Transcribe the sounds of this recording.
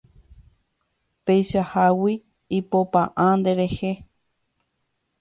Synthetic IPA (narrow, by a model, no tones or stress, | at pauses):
pejʃahawiː | popãʔãnd̪e̞ɾe̞he